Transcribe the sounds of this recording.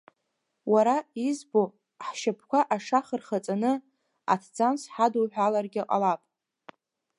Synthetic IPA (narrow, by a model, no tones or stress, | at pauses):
waɾaizbo | ħʃapʰkʷʰaʔaʂaχərχat͡sʼanɨ | a̰tʰd͡zansħadoħʷᶣalarɡʲaqʼa̰lapʼ